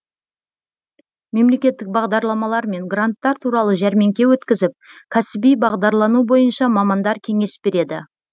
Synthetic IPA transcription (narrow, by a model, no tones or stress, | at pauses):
me̞mle̞kʲe̞t̪ːɪk̚bɑʁd̪ɑɾlˠɑmɑlˠɑɾme̞ŋɡrant̪ːɑɾt̪ʰuɾɑlˠəʒæɾme̞ŋkʲe̞wɵt̪kʲɪzɪp̚kʲʰæsɪbijbɑʁd̪ɑɾlˠɑnubo̞jənʃɑmɑmɑnd̪ɑɾkʲʰe̞ŋe̞sbe̞ɾe̞d̪ɪ